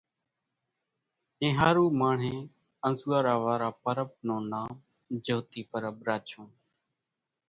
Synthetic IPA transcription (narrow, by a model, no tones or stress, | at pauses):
ẽːɦaːɾuːmaːɳ̤ẽː | ənzuːaːɾaːʋaːɾaːpəɾəb̚nõːnaːm | d͡ʒoːt̪iːpəɾəbɾaːt͡ʃʰõː